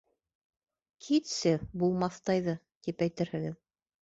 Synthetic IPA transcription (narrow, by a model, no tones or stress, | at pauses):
kʰit̪sɘbulˠmɑθt̪ɑjðɤ | t̪ipæjt̪ɘɾhɘ̆ɡɘð